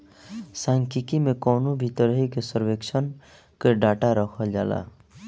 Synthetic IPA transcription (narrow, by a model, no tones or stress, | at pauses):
saŋkikimekɔwnobʱit̪ɔɾɦikesɔɾwekt͡ʃʰɔn | keɖaʈaɾɔkʰʌld͡ʒa̰la̰